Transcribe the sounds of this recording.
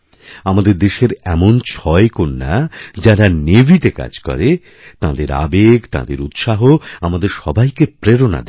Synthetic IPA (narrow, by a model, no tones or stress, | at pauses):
amad̪eɾd̪eʃeɾɛmont͡ɕʰɔekonːa̰d͡ʑaɾanebʱit̪eka̰d͡ʑkɔ̰ɾe | t̪ãd̪eɾa̰beɡt̪a̰d̪ḛɾut̪ʃaɦoamad̪eɾʃɔbʱajkepɾeɾona̰d̪e